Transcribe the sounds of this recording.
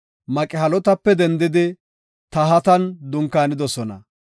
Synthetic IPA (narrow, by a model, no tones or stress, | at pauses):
mɐkʼɪɦɐlɔt̪ɐpːɛd̪ɛnd̪ɪd̪ɪ | t̪ɐɦɐt̪ɐnd̪ʊŋkːaːnɪd̪ɔsɔnɐ̰